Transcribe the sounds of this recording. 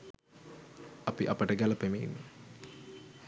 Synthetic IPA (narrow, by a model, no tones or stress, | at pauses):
ɐpiʔɐpəʈəɡælɐpemiːnːe